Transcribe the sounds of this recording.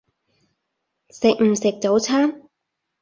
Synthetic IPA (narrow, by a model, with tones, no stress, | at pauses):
sɪ˨k̚m̩˨˩sɪ˨k̚t͡so˨˥wt͡sʰaː˥m